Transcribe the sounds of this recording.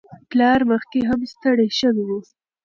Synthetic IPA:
plɑɾməxkeɦamst̪əɽeʃəβid̪i

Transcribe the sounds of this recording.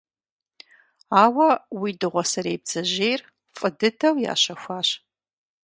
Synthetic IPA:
aːwɐwidɨʁʷɔsɐɾeːb̚z̥ɐʑejr | fʼɨdɨdʰɐwja̰ːɕɐxʷaːɕ

